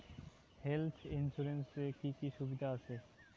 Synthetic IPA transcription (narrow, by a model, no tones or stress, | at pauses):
helt̪ʰɪnsuɾensekikiʃubid̪ʱaəsʰe